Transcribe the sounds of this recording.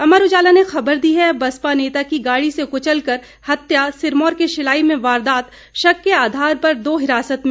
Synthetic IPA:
ɐmaɾʊd͡ʒaːlanexɐbəɾd̪iɦɛbɐspaneːt̪akiɡaːɽisekʊt͡ʃəlkəɾ | hɐt̪jasɪɾmɔːɾkeʃɪlaːimẽʋaːɾd̪aːt̪ | ʃɐkːeaːd̪ʱaːɾpɐɾd̪oːɦɪɾaːsət̪mẽ

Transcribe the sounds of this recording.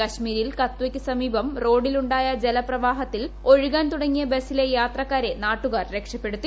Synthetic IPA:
kɐɕmiːɾilkɐt̪ːwɐkʲːɨsɐmiːbɐmro̞ːɖiluɳɖaːjɐd͡ʑe̞lɐprɐʋaːɦɐt̪ːilo̞ɻiɣaːnt̪uɽɐŋːijɐbe̞sile̞jaːt̪rɐkːaːɾe̞naːʈːuɣaːrɾe̞kʂɐpːe̞ɽut̪ːi

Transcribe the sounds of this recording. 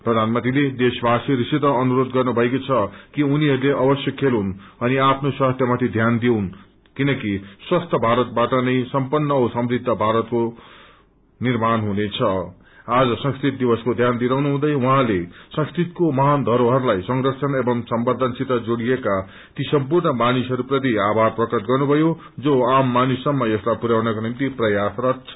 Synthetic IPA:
prʌd̪ʱanmʌ̃nt̪iled̪esbaseɾisit̪ʌːnuɾod̪ɡʌrnubʱʌekot͡sʰʌkiuniɦʌɾuleʔʌbʌsjʌkʰːelɦunʌniapʰnoswast̪ʰjʌmat̪ʰid̪ʱjand̪iwn | kinʌkiswast̪ʰʌbʱaɾʌt̪̚baʈʌnʌjsʌmpʌnːʌusʌmrid̪ʱːʌbʱaɾʌt̪ko | nirmanɦunet͡sʰʌ | ad͡zʌsʌ̃ŋskrit̪̚d̪ibʌskod̪ʱjand̪iɾawnuɦũd̪ʌjwʌɦãlesʌ̃ŋskrit̪komʌɦand̪ʱʌɾoɦʌɾulajsʌŋrʌsʰʌnebʌmsʌmbʌd̪ʱʌnsit̪ʌd͡zoɽijeka | t̪isʌmpurnʌbanisɦʌɾuprʌt̪̬iabʱarprʌkʌt̪̚ɡʌrnubʱʌjo | d͡zoamːanusʌmːʌjʌslajpuɾawnʌkonimt̪iprʌjasrʌt̪t͡sʰʌ̥

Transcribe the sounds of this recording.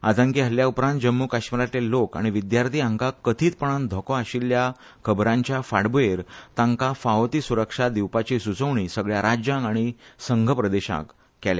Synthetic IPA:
ad͡z̪ə̃ŋkeɦəljaupɾant̪d͡ʑəmːukaɕməɾat̪elːoka̰ɽ̃iʋid̪jaɾt̪ʰiːãŋkakːət̪ʰiːt͡s̪pəɳ̃ãnd̪ʱɔkɔaɕilːja | kʰəbɾãɲt͡ɕjafaɽbueɾt̪ãŋkafaɦot̪iːsuɾəkʂad̪iwpat͡ɕisut͡səʋɳisəɡɭjaɾad͡ʑjãŋaɽ̃isəŋɡʱəpɾəd̪eɕa̰kː | ɛle

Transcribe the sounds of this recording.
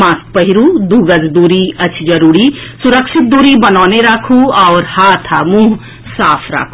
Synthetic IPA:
mãːspɐɦiɾud̪uːɡəd͡ʒd̪uːɾiɐt͡ʃʰd͡ʒɐɾuːɾisʊɾəkʃɪt̪̚d̪uːɾibɐnɔːneɾaːkʰuɔːɾhaːt̪ʰamũːɦ | saːpʰɾa̰ːkʰu

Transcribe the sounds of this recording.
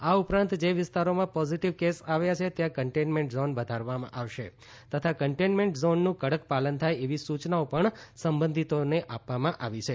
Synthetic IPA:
aupɾãnt̪d͡ʒeʋɪst̪aɾomãpɔziʈiʋkesaʋjat͡ʃʰet̪jãkəɳʈenmẽɳʈzonʋəd̪ʱaɾʋamã̰ʔaʋʃe | t̪ət̪ʰakəɳʈenmeɳʈzonːũkəɽəkpalənt̪ʰajeʋisut͡ʃnaopəɳsəmbənd̪ʱit̪oneʔapʋamãʔaʋit͡ʃʰe

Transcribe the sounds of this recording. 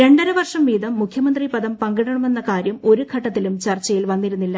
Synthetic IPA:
ɾe̞ɳɖɐɾuʋɐrʂɐmʋiːðɐmːukʰjɐmɐnd̪ripɐðɐmpɐŋɡɐɽɐɳɐme̞nːɐkaːɾjɐmo̞ɾuɡʰʱɐʈːɐt̪ːilumt͡ɕɐrt͡ɕːɐjilʋɐnːiɾunːilːɐ

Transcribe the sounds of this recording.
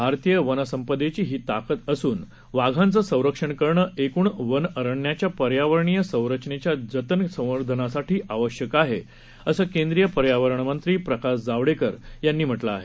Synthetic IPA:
bʱaɾt̪ijəʋənəsəmpəd̪et͡ɕiːɦiːt̪akət̪əsuːn | ʋaɡʱãnt͡səsə̃w̃ɾəkʂəɳkəɾɳəːʔekuːɳʋənəɾəɳːjat͡ɕjapəɾjaʋəɾɳijəsə̃w̃ɾəkʂɳet͡ɕjad͡zət̪ənsə̃w̃ʋəɾd̪ʱənasaʈʰiːʔaʋəɕjəkaɦe | əsəːkend̪ɾijəpəɾjaʋəɾəɳmənt̪ɾiːpɾəkasd͡zaʋɽekəɾjanːiːm̤əʈlaːɦe

